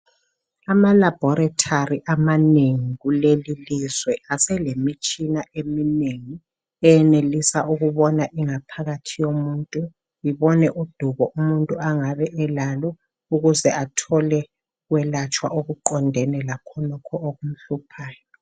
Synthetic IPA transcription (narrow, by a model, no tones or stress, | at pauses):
amalab̥ʱɔɾatʰariʔamaneŋiɣulelilizwɛasɛlemit͡ʃʼinaʔemineŋi | ɛjɛnelisaʔuɣuβɔnaʔiŋapʰaɣatʰijomuːntʼu | iβɔnɛʔud̥ʱuβɔʔumuntʼuaŋaβɛʔɛlalɔ | uɣuzɛʔatʰɔlɛ | ɣwɛlat͡ʃʼwa̰ʔoɣuǃɔndʱɛnɛlakʰɔnɔkʰɔʔoɣum̩ɬupʰaːjɔ